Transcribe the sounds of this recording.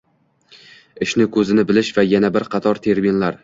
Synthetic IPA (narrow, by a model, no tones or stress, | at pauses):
ɪʃnɪkʰɵzɪnɪbɪlɪʃvajanabɪɾqʰɑt̪ʰɒɾt̪ʰe̞ɾminlaɾ